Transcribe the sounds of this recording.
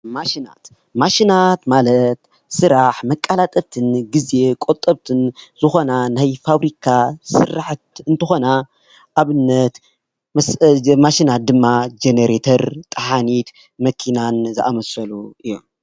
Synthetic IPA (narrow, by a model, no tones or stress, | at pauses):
maʃina̰t̪ | maʃinat̪malɐt̪ | sɨɾaħmɐkʼːalat̪ʼɐt̪ʰɨnɡɨze̞kʼot̪ʼːɐβt̪ʰɨnz̥ɨxo̞nanajfaβɾikʰasɨraħt̪ɨnt̪ʰɨxo̞na | ʔaβɨnːɐt̪ | maʃinat̪̚d̪ɨmːad͡ʒeneɾet̪ʰɐɾt̪ʼɐħanit̪ | mɐkʰinanzɨʔa̰mɐsɐluʔɨjːom